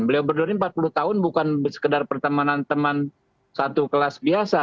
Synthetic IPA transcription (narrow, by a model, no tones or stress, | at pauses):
bəliawbərdurɲampat̪̚pulut̪aɦʊnbukansə̥kədarpərt̪əmanant̪əman | sat̪ukəlasbiasa